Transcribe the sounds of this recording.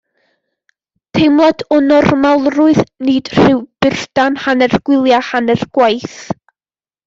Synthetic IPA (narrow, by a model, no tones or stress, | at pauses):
tʰejmlˠɔdɔnɔrmalˠrʊɨðniːd̥r̥ɪwb̥ɪr̥d̥anhanɛrɡ̥wɪlˠjahanɛrɡ̥wajθ